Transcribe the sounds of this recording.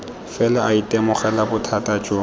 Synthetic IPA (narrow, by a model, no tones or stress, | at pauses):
fɛlaʔaitʼɛmʊχɛlabʊtʰatʼat͡ʃʼo